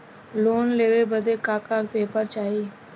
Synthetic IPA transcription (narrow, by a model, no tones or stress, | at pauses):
loːnleːʋeːbəd̪eːkaːkaːkpeːpəɾt͡ʃaːiː